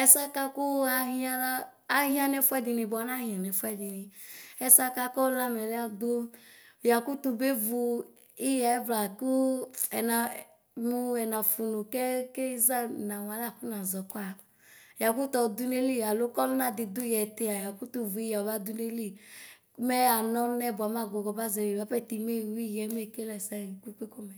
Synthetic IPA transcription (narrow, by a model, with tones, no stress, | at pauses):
ɛ˦sa˦ka˦ku˦a˧ɦi˦a˦laː˦ɦĩ˦a˨nɛ˦fwɛ˦di˧ni˨bɔ˨˦na˦hĩ˨a˨nɛ˨fu˦ɛ˦˨di˨ni˨ɛ˧sa˦ka˦kɔ˦la˦mɛ˨lɛ˦a˦do˦˨ | ja˨ku˦tu˧be˦vu˧ | i˦ja˨˦vla˨ku˦ɛ˨na˨ | mu˦ɛ˨na˨fu˨nu˨kɛ˦ke˦za˦˨na˨wa˨˦la˦˨ku˦na˨zɔ˨ka˨ | ja˨ku˦tɔ˨du˦ne˦li˦˨a˨lo˦kɔ˦u˦na˨di˧du˦jɛ˨te˨˦a˨ja˨ku˦tu˧vu˨i˦a˨ba˦du˦ne˦li˦˨˦ | mɛ˦a˨nɔ˦nɛ˦˨ba˨˦ma˦˨ɡo˨ɡɔ˨ba˦zɛ˨e˨ba˦pɛ˦˨ti˨me˦˨wi˦˨jɛ˨˦me˦˨ke˦lɛ˨sa˦˨kʷi˦ke˦ko˦mɛ˨